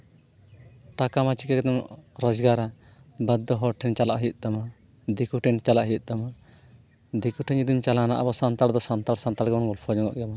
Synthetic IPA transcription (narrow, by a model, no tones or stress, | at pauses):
ʈakamat͡ʃikɛkɛt̪ɛm̰ʔɾɔd͡ʒɡaɾa | bəd̪ːɔɦɔɾʈʰɛɲt͡ʃalaʔɦijt̪̚ˀd̪ama | d̪ikuʈʰɛɲt͡ʃalaʔɦijut̪̚ˀd̪ama | d̪ikuʈʰɛɲud̪imt͡ʃalana̰ʔabɔsant̪aɽd̪ɔsant̪aɽsant̪aɽɡɛɔnɡɔlpʰɔd͡ʒɔŋɔ̰ʔɡɛma